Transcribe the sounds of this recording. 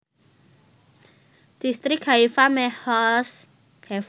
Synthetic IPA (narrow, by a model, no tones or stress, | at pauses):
d̪̥ist̪ɾɪkhaifamɛhɔs | kʰɛ